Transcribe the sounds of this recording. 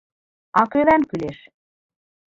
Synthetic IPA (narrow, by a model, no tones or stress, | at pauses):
ɑkøβænkyleʃ